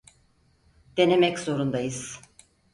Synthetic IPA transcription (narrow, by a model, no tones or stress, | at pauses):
d̪̥e̞nemɛczo̞ɾund̪ajɯz̥